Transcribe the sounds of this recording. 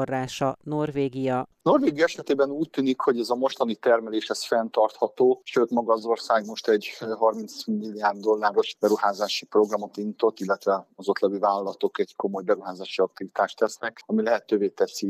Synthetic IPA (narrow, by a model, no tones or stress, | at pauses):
rːaːʃɒno̞rveːɡijɒno̞rveːɡijɒɛʃɛt̪eːbɛnuːc̚t̪ːyːnikho̞ɟɛzɒmo̞ʃt̪ɒnit̪ɛrmɛleːʃhɛsfɛnt̪ɒrt̪hɒt̪oːʃøːt̪mɒɡɒzo̞rsaːɡmo̞ʃt̪ɛɟɦɒrmint̪smilːijaːrd̪ːo̞lːaːɾo̞ʃbɛɾuhaːzaːʃipro̞ɡrɒmo̞t̪inːit̪o̞t̪ːilːɛt̪ʋɛɒzo̞t̪lɛvivaːlɒlɒt̪o̞kɛɟko̞mo̞jbɛɾuɦaːzaːʃiɒk̚t̪ivit̪aːʃt̪ɛsnɛkɒmilɛɦɛt̪øːveːt̪ɛsi